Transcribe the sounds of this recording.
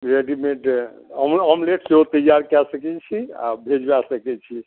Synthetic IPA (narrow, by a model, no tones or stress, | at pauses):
ɾeɖimeʈəmɔmleʈseɦot̪əd͡ʒaɾkɛsəkɛt͡ʃʰia̰bʱed͡ʒbasəkɛt͡ʃʰi